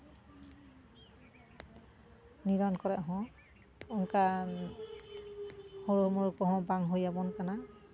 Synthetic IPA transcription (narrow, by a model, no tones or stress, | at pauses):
niɹɔnkɔɹɛɦɔ̃ | unkan | hoɹumɔɹkɔɦɔ̃baŋɦojabɔnkana